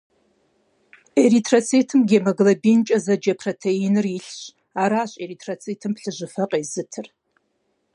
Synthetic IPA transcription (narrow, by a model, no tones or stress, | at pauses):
eritʰrɐt͡sʰetʰɨmɡʲemɐɡɨlɐbint͡ʃʼɐzɐd͡ʒɐpʰrotʰeinɨrjiɬɕ | aːɾaːɕʼeritʰrɐt͡sʰʼeːtʰɨmpɬɨʒʷɨfɐqʼeːzɨtʰɨr